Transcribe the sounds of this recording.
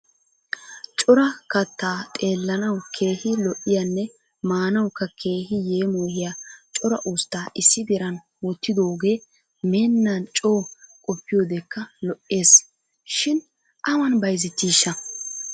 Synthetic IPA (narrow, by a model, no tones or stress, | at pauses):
t͡ʃʼɔɾɐkɐt̪ːaːt̪ʼe̞ːlːɐnɐwkʰe̞ːhɪlɔʔːɪjɐnːɛ | maːnɐwkːɐkʰe̞ːhɪje̞ːmoːhɪjat͡ʃʼɔɾɐʔuːst̪ːaːʔɪsːɪd̪ɛɾɐn | wɔt̪ːɪd̪o̞ːɡe̞ː | meːnːɐnt͡ʃʼo̞ːkʼɔpːɪjoːd̪ɛkːɐlɔʔːe̞ːs | ʃɪn | ʔɐwɐnbɐjzɪt̪ːiːʃːɐ